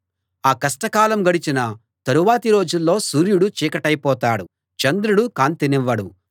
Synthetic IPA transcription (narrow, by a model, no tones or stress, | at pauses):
aːkɐsʈɐkaːlɐmɡɐɽit͡ʃinɐ | t̪ɐɾuʋaːt̪iɾo̞ːd͡ʒulːo̞ːsuːɾjuɽut͡ʃiːkɐʈɐjpɔːt̪aːɽu | t͡ʃɐnd̪ɾuɽukaːnt̪iniʋːɐɽṵ